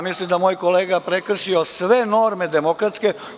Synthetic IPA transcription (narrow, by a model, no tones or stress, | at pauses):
mislimd̪amoːjkoleːɡapɾekr̩ʃiosʋe̞no̞ɾme̞d̪emokɾat̪ske